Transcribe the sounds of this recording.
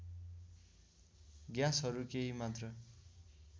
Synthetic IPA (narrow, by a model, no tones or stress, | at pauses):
ɡjãsɦʌɾukeɦimat̪rʌ